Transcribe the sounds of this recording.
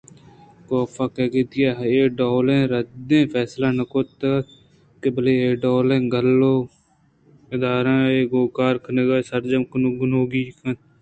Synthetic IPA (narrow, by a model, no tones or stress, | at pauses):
koːpʰaːkeːɡit̪ɪjaːɦeːɖoːlẽːɾəd̪ẽːpʰɛːslaːnəkoːt̪a | kebəleːeːɖoːlẽːɡəlːoː | ɪd̪aːɾãːeːɡoːkaːɾkʰəneɡaːsəɾd͡ʒəmknɡʊnoːɡiːkʰən